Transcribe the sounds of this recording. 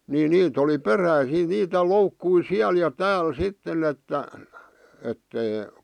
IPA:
ni niːt oli peræisiː niːtæ loukːui siæl jɑ tæːl sitːen etːæ etːei

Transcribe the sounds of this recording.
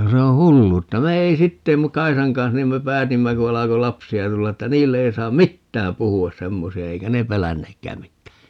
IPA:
ku se õː hulːuːtːɑ me ei sitːe mu kɑisɑŋ kɑns niːm me pæːtimːæ ku ɑlɑko lɑpsiɑ tulːɑ etːæ niːlːe ei sɑːm mitːæːm puhuɑs semːosiɑ eikæ ne pelænːeːkːæː mitːæː

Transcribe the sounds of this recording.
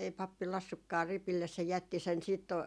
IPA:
ei pɑpːi lɑsːukːɑː ripilːes se jætːi sen siːt

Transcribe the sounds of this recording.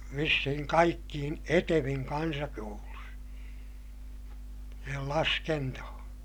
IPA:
ʋisːihiŋ kɑikːiːn eteʋiŋ kɑnsɑkoulus siːhel lɑskentohõː

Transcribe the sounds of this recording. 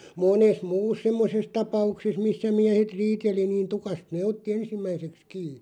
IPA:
moːnes muːs semːoses tɑpɑukses misːæ miæhet riːteli niːn tukɑst neː otːi ensimːæiseks kiː

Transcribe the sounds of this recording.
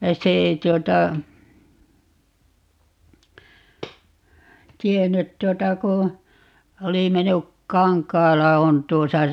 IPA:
se ei tuotɑ tienːyt tuotɑ ku oli menːyk kɑŋkˑɑːlɑ on tuosɑ

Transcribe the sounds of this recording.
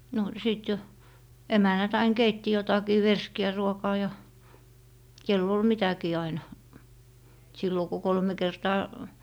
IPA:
no siˑt jo emænːæt ɑin keitːi jotɑkiː ʋerskiæ ruokɑː jɑ kelː ol mitækiː ɑinɑ silːo ku kolme kertɑː

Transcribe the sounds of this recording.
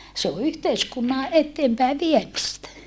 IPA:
se o yhteiskunːɑ etːeːmpæi ʋiemistæ

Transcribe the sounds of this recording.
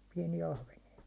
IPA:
piɛnijæ ɑhʋenijɑ

